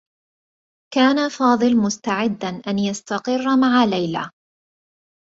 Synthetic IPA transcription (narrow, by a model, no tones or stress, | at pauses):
kaːnafɑːd̪ˤɨlmʊst̪aʕɪd̪ːanʔanjast̪ɑqɨrːmaʕalajla̰